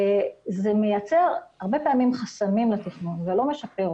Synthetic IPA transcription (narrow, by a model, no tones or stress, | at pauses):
ezemejat͡se̞ʁaʁbepeamimχasamimlat̪iχnunvelo̞me̞ʃapeʁ